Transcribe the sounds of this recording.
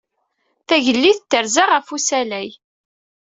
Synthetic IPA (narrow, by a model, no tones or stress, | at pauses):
θæʝəlːiθət̪ːəɾzaʁəfusælæj